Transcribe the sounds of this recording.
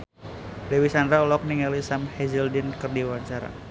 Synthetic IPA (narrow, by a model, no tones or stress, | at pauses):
dewisandɾaulɔk̚niŋalisamhɛzɛldinkɨrdiwaɲt͡ʃaɾa̰